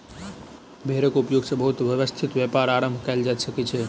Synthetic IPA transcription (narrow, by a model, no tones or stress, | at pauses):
bʱeɾəkupjoɡsəbəɦut̪ʋəʋəst̪ʰit̪ʋjepaɾaɾəmbʱkajld͡ʒad̪səket͡ʃʰe